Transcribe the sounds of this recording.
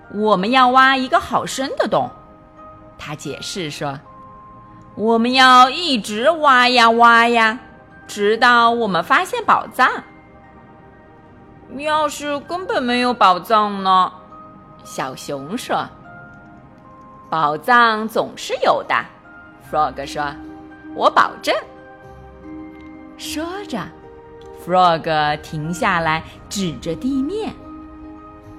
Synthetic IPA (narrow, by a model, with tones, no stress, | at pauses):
wɔ˨˩mə˦njɑ˥˩ʊwa˥i˧˥ɡə˧xɑ˨˩ʊʂə˥nd̪ə˨t̪ʊ˨˩˦ŋ | t̪ʰa˥t͡ɕjɛ̰˨˩ʂɻ̩˥˩ʂɔ˥ | wɔ˨˩mə˦njɑ˥˧ʊi˥˩ʈ͡ʂɻ̩˧˥wa˥ja˧wa˥ja˧ | ʈ͡ʂɻ̩˧˥t̪ɑ˥˩ʊwɔ˨˩mə˦nfa˥ɕjɛ˥˩npɑ̰˨˩ʊt͡sɑ˥˩ŋ | jɑ˥˧ʊʂɻ̩˥˧kə˥nbə˨˩nme˧˥ɪjo˧˥ʊpɑ˨˩ʊt͡sɑ˥˧ŋnə˨ | ɕjɑ˨˩ʊɕjʊ˧˥ŋʂɔ˥ | pɑ˨˩ʊt͡sɑ˥˩ŋt͡sʊ˨˩ŋʂɻ̩˥˩jo˨˩ʊd̪ə̰˦ | fɹɔ˥˩ɡə˩ʂwɔ˥ | wɔ˧˥pɑ̰˨˩ʊʈ͡ʂə˥˩n | ʂɤ˥ʈ͡ʂə˨˩ | fɹɔ˥˩ɡə˩t̪ʰi˧˥ŋɕja˥˩la˧˥ɪ | ʈ͡ʂɻ̩˨˩ʈ͡ʂə˦t̪i˥˧mjɛ˥˩n